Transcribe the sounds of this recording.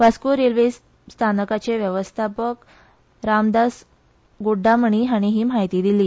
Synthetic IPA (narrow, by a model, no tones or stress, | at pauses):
ʋaskuɾelʋes | st̪ʰanəkat͡ɕeʋjəʋəst̪ʰapək | ɾamd̪as | ɡuɖʱːaməɳ̃iɦaɽ̃iɦiːmajt̪iːd̪iliː